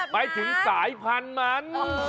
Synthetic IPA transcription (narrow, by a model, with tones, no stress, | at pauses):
maː˨˦jt̪ʰɯ˩˦ŋsaː˩˦jpʰa˧nma˦˥n